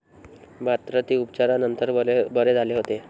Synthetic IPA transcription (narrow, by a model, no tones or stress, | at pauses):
bat̪ɾət̪iːupt͡ɕaɾanənt̪əɾbəɾed͡zʱaleɦot̪e